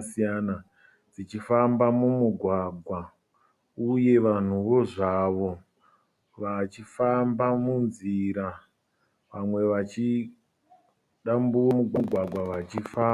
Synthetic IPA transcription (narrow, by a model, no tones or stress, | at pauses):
siana | d͡zit͡ʃifambamumuɡʱwaɡʱwa | uje̞ʋan̤uʋo̞ʐaʋo̞ | ʋat͡ʃifambamunziɾa | ʋamwe̞ʋat͡ʃi | ɗambuwomuɡʱɡʱwaɡʱwaʋat͡ʃifaː